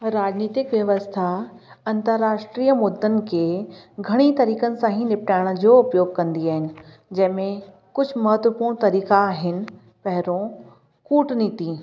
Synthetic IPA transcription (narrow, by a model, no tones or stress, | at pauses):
ɾaːd͡ʑniːt̪ɪkʋjɐʋəst̪ʰaɐ̃nt̪əɾːaːʃʈɾiːəmʊd̪ːənɪ̆kʰeːɡʱɐɽ̃it̪ɐɾiːkənɪ̆sãːɦĩnɪpʈaːɪɽ̃ə̆d͡ʑoʊpjoːɡ̚kɐ̃nd̪iaːɦɪnɪ̆ | d͡ʑɐ̃ɦɪ̃mẽ | kʊd͡ʑʱʊmɐɦət̪ʋəpuːɽ̃t̪ɐɾiːkaːɦɪnɪ̆ | pɐɦɪɾõ | kuːʈniːt̪iː